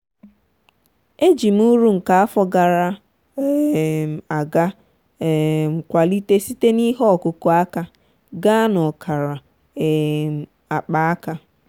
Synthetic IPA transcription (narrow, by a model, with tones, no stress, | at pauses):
e˦d͡ʒi˨m̩˦u˦ɾu˦ŋ̩˨ka˨a˦fɔ˨ɡa˨ɾa˦˨ | a˨ɡa˦˨ | ŋ̩˨kʷa˨li˦te˦si˦te˦ni˦ɦɔ˦ɔ˨kʊ˨kɔ˨a˦ka˦ | ɡa˦nɔ˨kʰa˨ɾa˨ | a˨k͡pa˨a˦ka˦